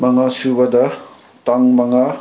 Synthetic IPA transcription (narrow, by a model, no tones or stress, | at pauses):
mɐŋasubɐdɐ | taŋmɐŋa